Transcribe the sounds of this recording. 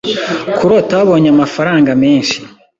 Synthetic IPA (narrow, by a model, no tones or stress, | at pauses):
kuɾotaβaβo̞ːɲamafaɾaːŋɡameːnʃi̥